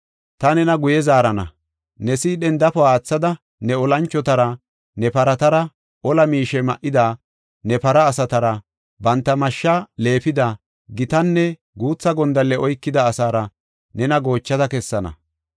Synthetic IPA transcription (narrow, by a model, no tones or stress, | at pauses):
t̪ɐnɛnɐɡʊjɛzaːɾɐnɐ̰ | nɛsiːɗɛnd̪ɐfɔaːt͡sːɐd̪ɐ | nɛɔlɐnt͡ʃːɔt̪ɐɾɐ | nɛpɐɾɐt̪ɐɾɐ | ʔɔlɐmiːʃɛmɐ̰ʔːɪd̪aː | nɛpɐɾɐːsɐt̪ɐɾɐ | bɐnt̪ːɐmɐʃːɐle̞ːfɪd̪a | ɡɪt̪ɐnːɛ | ɡuːt͡sːɐɡɔnd̪ɐlːɛɔjkːɪd̪ɐːsaːɾɐ | nɛnɐɡo̞ːt͡ʃːɐd̪ɐkɛsːɐnɐ̰